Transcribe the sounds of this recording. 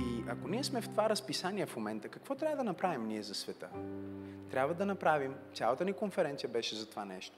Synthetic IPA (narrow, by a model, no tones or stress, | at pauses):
iɐkoniɛsmɛft̪ovaɾɐspisaniɛfmomɛnt̪əkɐkvɔt̪ɾʲabvəd̪ɐnɐpɾavimniɛzɐsvɛt̪ə̰ | t̪ɾʲabvəd̪ɐnɐpɾavimt̪ʲalˠət̪ənikonfɛɾɛnt̪siəbɛʃɛzɐt̪ovanɛ̰ʃt̪o̥